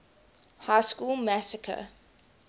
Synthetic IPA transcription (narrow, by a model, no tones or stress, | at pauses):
haɪskuːlˠmæsəkʰə̰